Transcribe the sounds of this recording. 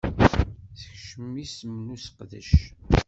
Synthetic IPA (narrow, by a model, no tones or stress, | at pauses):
θəçʃəmːisəmːnusəqðə̰ʃ